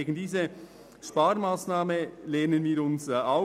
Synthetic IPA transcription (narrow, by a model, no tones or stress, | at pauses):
eːɡən̩diːzə | ʃpaːɾmaːsnaːməleːnənviːɾʊnsa